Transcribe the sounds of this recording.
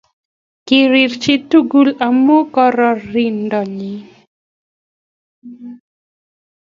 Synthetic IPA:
kɪ˨ɾɪ˨ɾt͡ʃe˦tu˦ɡu˦la˨mo˦kɔ˦ɾɔ˦ɾi˨ndɔ˨li˨˦

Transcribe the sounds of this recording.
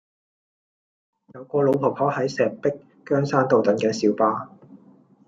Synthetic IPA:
jɐ˨˧wkɔː˧lo˨˧wpʰo˨˩k̚hʰɔː˨˥hɐ˨˥jsɛː˨˩pɪ˥kːœː˥ŋsaː˥nt̪o˨wt̪ɐ˨˥nkɐ˨˥nsiː˨˥wpaː˧

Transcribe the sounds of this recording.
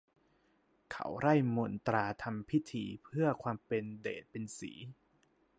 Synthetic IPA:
kʰa̰˦˥wɾa˥˩jmo˨˩˦nt̪ɾaː˧t̪ʰa˧mpʰi˦˥t̪ʰḭː˧pʰɯ˥˩ɐkʰwaː˧mpe˧ndḛː˨˩t̪̚pe˧nsḭː˩˦

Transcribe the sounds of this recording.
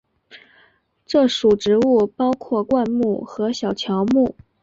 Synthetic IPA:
ʈ͡ʂɤ˥˩ʂu˨˩ʈ͡ʂɻ̩˧˥u˥˩pɑ˥ʊkʰwɔ˥˩kwa˥˧nmu˥˩xɤ˧˥ɕjɑ˨˩ʊt͡ɕʰjɑ˧˥ʊmu˥˩

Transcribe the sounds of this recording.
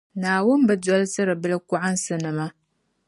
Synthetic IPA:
naː˨wʊ˦mba˨dɔ˦lsɨ˦ɾɨ˨bɨ˦la˦kʊ˦a˦nsɨ˨nɨ˨ma˦

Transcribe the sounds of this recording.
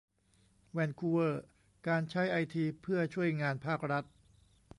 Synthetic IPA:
wɛ˧nkʰuː˧wɤː˥˩ | kaː˧nt͡ɕʰa˦˥jʔa˧jt̪ʰiː˧pʰɯ˥˩ɐt͡ɕʰu˥˩əjŋaː˧npʰaː˥˩k̚ɾa˦˥t̪̚

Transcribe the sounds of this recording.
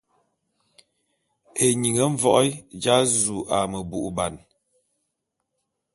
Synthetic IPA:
e˨ɲi˨ŋə˨˦ɱ̩˦vɔ˦ʔɔ˦jd͡ʒa˦zu˨ʔa˨mə˨bu˨ʔba˨n

